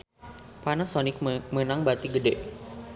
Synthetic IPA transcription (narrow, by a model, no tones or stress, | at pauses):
panasɔnɪk̚mənaŋbat̪iɡədɛʔ